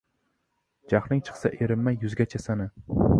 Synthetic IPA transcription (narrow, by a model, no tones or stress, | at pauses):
d͡ʒaχlˠɪŋt͡ʃʰɨ̥χsaʔeɾɪmːajʊzɡʲat͡ʃʰasanɪ